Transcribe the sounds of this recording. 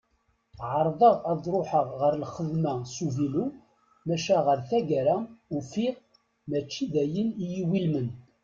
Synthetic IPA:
ʕəɾˤðˤəʁɑðˤɾˤoħəʁʁəɾlχəðmæsuvilu | mæʃæʁəɾθæɡæɾæufiʁ | mæt͡ʃːiðæjənijiwilmən

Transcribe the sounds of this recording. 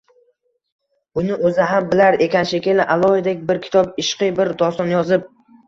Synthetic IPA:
ʊnɪʔɵzɪɦambɪlaɾe̞kʲʰanʃekʲelɪʔalˠɒhɪd̪ekʲbɪɾkʲʰɪ̥t̪ʰɒbɪʃqɨbɪɾd̪ɒst̪ɒnjɒzɪp̚

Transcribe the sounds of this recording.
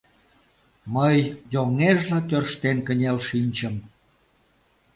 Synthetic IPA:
məjːoŋeʒlɑt̪ørʃt̪enkənʲelʃinʲt͡ɕəm

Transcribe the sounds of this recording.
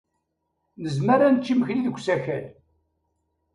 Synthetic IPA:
nəzməɾænt͡ʃːiməçliðəɡʷːsæçæl

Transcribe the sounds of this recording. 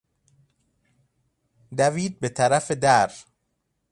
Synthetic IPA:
d̪æviːd̪̚bet̪ʰæɾæfed̪æɾ

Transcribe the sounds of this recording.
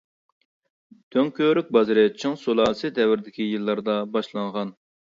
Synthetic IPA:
t̪ʰøŋkʲøɾyk̚ʲbɑzɨɾɪt͡ʃʰɨŋsolˠɑːsɨd̪ɛwɪɾd̪ɪkʲijɨlˠːɑɾd̪ɑbɑʃlˠɑŋʁɑn

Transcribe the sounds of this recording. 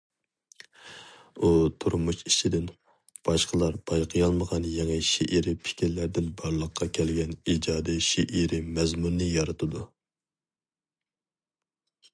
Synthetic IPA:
ut̪ʰuɾmuʃit͡ʃʰid̪ɪn | b̥ɑʃqəlˠɑɾb̥ɑjqʰəjɑlˠməʁɑnjɛŋɨʃeʔiɾɪpʰɪ̥kʲiɾlæɾd̪ɪnbɑɾlˠəqʰːɑkʲʰɛlɡʲɛnid͡ʒɑːd̪iʃeʔiɾɪmɛzmunːɨjɑɾɨt̪ʰɨd̪u

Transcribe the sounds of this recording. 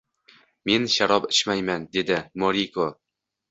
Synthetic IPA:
me̞nʃaɾɒpɪʃmajmand̪e̞d̪ɪmoɾikʰo

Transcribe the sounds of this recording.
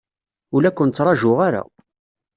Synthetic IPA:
ʊlækʷːənt͡sːɾˤɑʒʊʁaɾa̰

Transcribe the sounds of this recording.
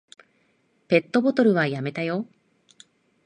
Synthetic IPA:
pe̞t̪ːo̞bo̞t̪o̞ɾɯ̟βajame̞t̪ajo̞

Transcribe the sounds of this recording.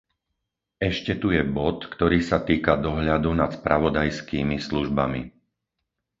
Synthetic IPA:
ɛʃcɛt̪ujɛbɔt̪kt̪ɔɾiːsat̪iːkad̪ɔɦʎad̪unat̪spɾaʋɔd̪ajskiːmisluʒbamḭ

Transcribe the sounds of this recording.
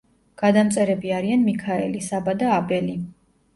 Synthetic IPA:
ɡ̥ad̪amt̪sʼɛɾɛbiaɾianmikʰaɛ̰lisabad̪aːbɛli

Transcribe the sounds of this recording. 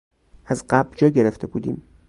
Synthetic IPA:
æzɢæbɾd͡ʒɒːɟeɾeft̪ʰebuːd̪ḭːm

